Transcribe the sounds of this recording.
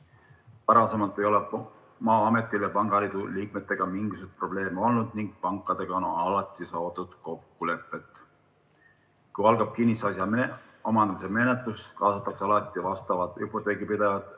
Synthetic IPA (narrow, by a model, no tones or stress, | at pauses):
pɑɾɑse̞mɑlt̪ːˑe̞jo̞lep | mɑːɑme̞t̪ːˑilːepɑŋɡ̥ɑliːd̪̥uliːk̚me̞t̪ːˑe̞ɡ̥ɑmiŋɡ̥isut̪̚pro̞b̥le̞ːmeo̞lnud̪̥niŋɡ̥̚pɑŋkːˑɑd̪̥e̞ɡ̥ɑonoɑlɑt̪ːˑisɑːt̪ud̪̥ko̞kːule̞pːˑe̞t̪ˑː | kujɑlɡ̥ɑb̥̚kinʲːisɑsjɑe | omɑnd̪ɑmiseme̞net̪luskɑːsɑt̪ːˑɑkseɑlɑt̪ːˑivɑst̪ɑvɑt̪ˑupːˑot̪ːˑeːɡipid̪̥evɑd̪̥